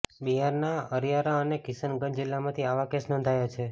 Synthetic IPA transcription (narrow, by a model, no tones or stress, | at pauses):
biɦaɾnaəɾjaɾaənekɪsənɡənd͡ʒilːamãt̪ʰiaʋakesnɔ̃nd̪ʱajat͡ʃʰe